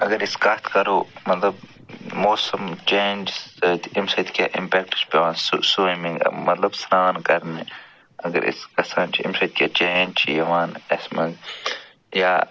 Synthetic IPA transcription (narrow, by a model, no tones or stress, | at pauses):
ɐɡɐɾiskɐt̪ʰkɐɾoːmɐt̪lɐb̚ | moːsɐmt͡ʃeːnʲd͡ʒsɐt̪imsɐt̪kʲa̰ːʔimpeːk̚ʈi̥spɐʋaːnssuːimiŋɡ̰mɐt̪lɐbsɾaːnkɐɾne | ɐɡɐ̰ɾʔḭskɐsaːnt͡ʃʰiḭmsɐt̪̚ʲkʲjaːt͡ʃeːnd͡ʒt͡ʃʰḭjɐʋaːnɐsmɐɡ | jaː